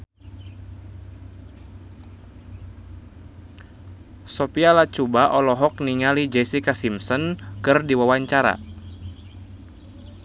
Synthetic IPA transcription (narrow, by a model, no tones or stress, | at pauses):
sɔpialat͡ʃubaʔɔlɔɦɔk̚niŋalid͡ʒɛsikasimsɔnkɨrdiwawaɲt͡ʃaɾa̰